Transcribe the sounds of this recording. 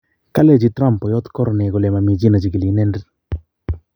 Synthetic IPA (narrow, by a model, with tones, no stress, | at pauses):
ka˦lɛ˦˨d͡ʒi˦tɾa˦˨mpɔ˨jɔ˦t̪kɔ˦ɾɔ˨nɛ˨ɡɔ˨lɛ˨ma˨mi˨d͡ʒi˦na˨d͡ʒi˨ki˨li˨˦nɛ˦ndi˦